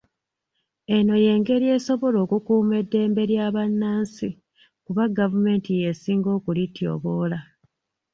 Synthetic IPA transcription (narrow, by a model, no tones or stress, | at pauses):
e̞no̞je̞ːŋɡe̞ɾie̞ːso̞βo̞lo̞ːkukuːme̞dːe̞ːmbe̞ɾjaːβanːaːnsi | kuβaɡavume̞ːntije̞siːŋɡo̞ːkulitjo̞̰ːβoːla